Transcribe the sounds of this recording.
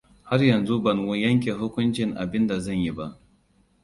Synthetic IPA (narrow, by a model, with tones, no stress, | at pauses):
ha˦rjɐ˨nzu˦bɐ˨nwu˦jɐ˦ŋk̬ʲe˨ɦʊ˦kʷʊ˦nt͡ʃɪ˨ŋʔa̰˨bɪ˦nda˨zɐ˦˨ɲji˦ba˦ʔ